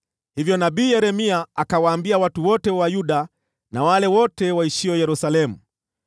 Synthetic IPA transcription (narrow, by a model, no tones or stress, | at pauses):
hivjɔnaɓiːjɛɾɛmiaakawaːmbiawatuwɔtɛwajuɗa | nawalɛwɔtɛwaiʃiɔjɛɾusalɛmu